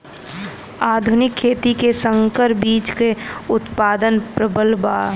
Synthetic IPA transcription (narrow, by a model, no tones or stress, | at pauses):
aːd̪ʱʊnɪkʰːeːt̪ikesə̃ŋkəɾbiːt͡ʃkeʊt̪paːd̪ənpɾəbəlbaː